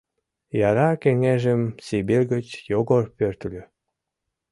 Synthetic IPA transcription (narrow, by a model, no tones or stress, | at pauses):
jɑɾɑkeŋeʒəmsibilʲɣət͡ɕjoɣorpørt̪lʲø